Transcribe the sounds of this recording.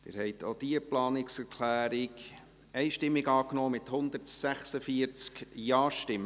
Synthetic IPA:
dɪ̰ɾhɛɪt̪ʰod̥iəplɑːnɪksæɾkʰlæːɾɪɡ | ɛɪʃtɪmːɪɡɑːknoːmɪthʊnd̪əɾtsæχsəfiəɾt͡skjɑːʃtɪmə

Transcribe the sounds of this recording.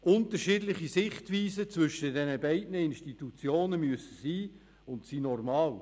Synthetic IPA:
ʊntəɾʃiːdlɪχisɪχtʋiːsət͡svʏʃədɛnəbɛɪdnəɪnʃtit̪ut͡sjoːnəmyəsə̥siː | ʊntsiːnɔrmɑːl

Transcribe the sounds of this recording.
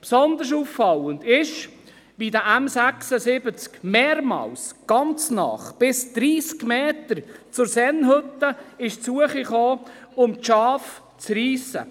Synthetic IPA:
psɔnd̪əɾs̬uːfːɑlənd̪ɪʃ | b̥id̪əʔæmsæksəsɪbət͡skmeːɾmɑ̰ːlsɡ̥ɑnt͡snɑ̰χb̥ɪsd̪̥ɾiːskmeːt̪əɾt͡sʊɾsɛnɦɵt̪ːəɪʃt͡suəχiχoːʊmʃɑːf | t͡sriːsə̰

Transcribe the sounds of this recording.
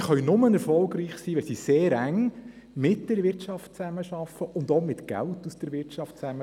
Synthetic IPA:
χœɥnʊmənɛɾfɔlˠɡɾiːχsiːʋɛlsiseːɾæŋ | mɪt̚d̥ɛɾʋɪɾtt͡ʃɑftt͡sæməʃɑfəʔʊndomɪtɡ̥æ̰ltusd̥əɾʋɪɾtt͡ʃɑft̚t͡sæmə

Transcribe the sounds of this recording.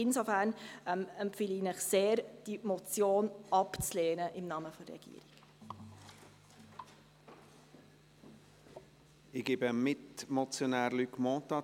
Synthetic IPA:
ɪnsofæɾnʔɛmɛmpfɪlinəχseːɾd̥imot͡sjoːnʔɑpt͡sleːnəʔɪmnɑməfɔrɛ̰ɡ̥ḭːɾiɡ̥ | ɪɡ̥ebəmɪtmɔt͡sjonæːɾlykmɔ̃ːt̪ɑ

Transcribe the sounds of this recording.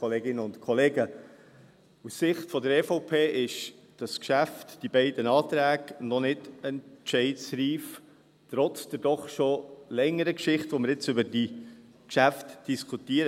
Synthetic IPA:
ɔleːɡɪnəʊntkʰɔleːɡə | usːɪχtfɔdəɾɛːfoʊpʰeːʔɪʃd̥ɑskʃæftd̥ibɛɪdənɑːtɾæːɡnɔnɪdɛnt͡ʃɛɪtsɾiːf | tɾɔt͡sd̥ɛɾd̥ɔχʃolɛŋːəɾəkʃɪχtʋoməɾɪt͡sʏbəɾdi | kʃæftd̥iskʰutiːəɾ

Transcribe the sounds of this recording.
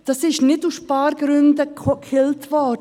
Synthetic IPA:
d̥ɑsɪʃnɪtuspɑːɾɡɾʏndəkkχɪltvɔɾd

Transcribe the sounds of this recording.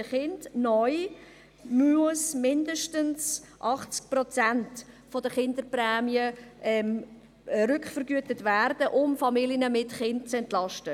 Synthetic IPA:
əχɪndnɔʏ | muəsmɪndəʃtəns | ʔɑχt͡sk̚prɔt͡sænt | fɔdəχɪndəɾprɛːmiəʔɛm | ɾʏkχfəɾɡyətətværd̥əʔʊmfɑmiljənəmɪtχɪnt̚t͡sɛntlɑʃtə

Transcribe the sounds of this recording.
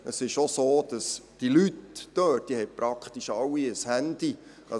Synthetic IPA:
əsɪʃosoːd̥ɑsd̥ilytːøːtd̥ihɛjpɾɑkʰχt̪iʃɑlwːiəshænd̥̪i | ɑ

